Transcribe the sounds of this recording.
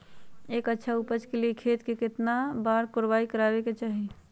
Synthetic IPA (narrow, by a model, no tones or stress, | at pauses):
eːkətːʃʰaupət͡ʃkeliekʰeːt̪kekɪt̪nabaːɾkʊɾbaːikəɾaːbeket͡ʃaːɦi